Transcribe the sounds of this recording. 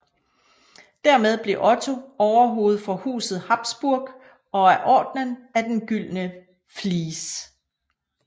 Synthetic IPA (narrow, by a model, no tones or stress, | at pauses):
d̥æɐmeð̞ˠb̥le̝ʔɒ̽t͡sʰo̝ɒʊɐɦo̝ːð̞̩ˠfɒ̽hṵːsð̞̩ˠhɑ̈b̥sb̥uɐɡ̥ | ɒ̽æɐʔɒ̰ːd̥nənæd̥enɡ̥yl̰nə | fliːs